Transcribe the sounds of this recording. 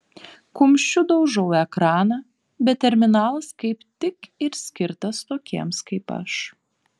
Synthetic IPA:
kʊmʲʃʲt͡ʃʲʊd̪ɐʊʒɔʊɛkɾɑːnɐ | bʲɛt̪t̪ʲɛɾʲmʲɪnɑːlˠɐskɐɪpt̪ʲɪkɪɾsʲkʲɪɾt̪ɐst̪oːkʲiɛmskɐɪpɐ̰ʃ

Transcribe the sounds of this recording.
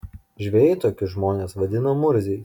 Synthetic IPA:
ʒʲʋʲeːjɛɪt̪oːkʲɪʒmoːnʲeːsʋɐd̪ʲɪnomʊɾʲzʲɛɪ

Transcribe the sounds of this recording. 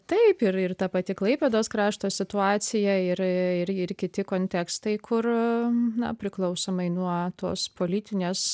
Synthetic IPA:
t̪ɐɪpɪɾɪrt̪ɐpɐt̪ʲɪklˠɐɪpʲeːd̪oːskɾɑːʃt̪oːsʲɪt̪ʊɑːsʲɪjɛɪɾɪɾɪɾkʲɪt̪ʲɪkoːnʲt̪ʲɛkst̪ɐɪkʰʊrnɐ̰pʲɾʲɪklˠɐʊsoːmɐɪnuɔt̪o̰ːspoːlʲit̪ʲɪnʲeːs

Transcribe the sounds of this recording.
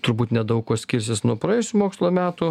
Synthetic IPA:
t̪ʊɾbuːt̪nʲɛd̪ɐʊkkoːsʲkʲiːɾʲs̬ʲɪsnuɔpɾɐjeːsʲʊmoːkslˠoːmʲæːt̪ʊ

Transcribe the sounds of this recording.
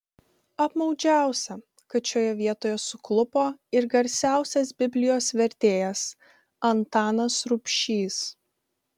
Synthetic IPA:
ɐpmɒʊd͡ʒʲæˑʊsʲɛ | kɐtʃʲoːjɛʋʲiɛt̪oːjɛsʊklˠʊpoːɪɾɡɐɾʲsʲæˑʊsʲɛs̬bʲɪbʲlʲɪjoːsʋʲɛɾʲt̪ʲeːjɛs | ɐnt̪ɑːnɐsɾʊpʲʃʲiːs

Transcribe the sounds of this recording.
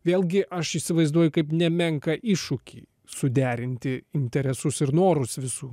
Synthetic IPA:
ʋʲeːlˠʲɡʲɪʔɐʃiːsʲɪʋɐɪzd̪uɔjʊkɐɪpnʲɛmʲɛŋkɐʔɪʃʊkʲḭ | sʊd̪ʲæːɾʲɪnʲt̪ʲɪɪnʲt̪ʲɛɾʲɛsʊsɪɾnoːɾʊsʋʲɪsuː

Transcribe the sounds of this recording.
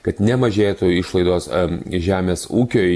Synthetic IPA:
kɐt̪nʲɛmɐʒʲeːt̪ʊɪʃlˠɐɪd̪oːsʒʲæːmʲeːsuːkʲoː

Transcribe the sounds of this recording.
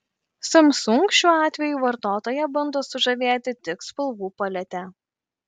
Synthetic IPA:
sɐmsʊŋkʃʲuːɑːt̪ʲʋʲɛjuːʋɐɾt̪oːt̪oːjɛbɐnd̪oːsʊʒɐʋʲeːt̪ʲɪt̪ʲɪkspɐlˠʋuːpɐlʲɛt̪ʲɛ

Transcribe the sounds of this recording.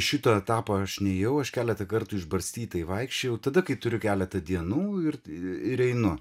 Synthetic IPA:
ʃʲɪt̪ɐɛt̪ɑːpɐɐʃnʲɛjɛʊɐʃkʲæːlʲɛt̪ɐkɐrt̪uɪʒbɐɾʲsʲt̪ʲiːt̪ɐɪʋɐɪkʃʲt͡ʃʲejɛʊt̪ɐd̪ɐkɐɪt̪ʊɾʲʊkʲæːlʲɛt̪ɐd̪ʲiɛnuːɪrɪɪɾɛɪnʊ

